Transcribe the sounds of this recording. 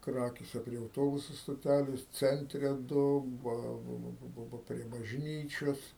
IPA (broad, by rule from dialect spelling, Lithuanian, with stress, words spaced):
ˈkrɑːkʲeːsʲɛ pʲrʲiɛ ɐʊˈtoːbʊsʊ stoːˈtʲælʲeːs ˈt͡sʲɛnʲtʲrʲɛ ˈdʊ ˈbɐ bɐ bɐ bɐ bɐ pʲrʲiɛ bɐʒʲˈnʲiːt͡ʃʲoːs